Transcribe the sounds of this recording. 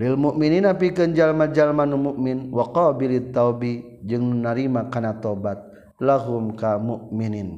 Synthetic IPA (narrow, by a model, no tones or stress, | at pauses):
lilmuʔmininap̬ikɨnd͡ʒalmad͡ʒalmanumuʔminwaqɔbilit̪ːawbi | d͡ʒɨŋnunaɾimakanat̪obat̪̚ | laɦumkamuʔminin